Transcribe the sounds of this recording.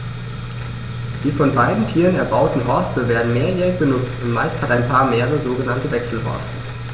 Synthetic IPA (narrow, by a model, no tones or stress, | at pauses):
d̥iːfɔnbaɪdn̩tʰiːʁənɛɐbaʊtn̩ɦɔɐstəveːɐdn̩meːɐjɛːʁɪçb̥ənʊt͡stʊntmaɪsthataɪnpʰaːɐmeːʁ̞əzoːɡənantəvɛksl̩hɔ̰ɐstə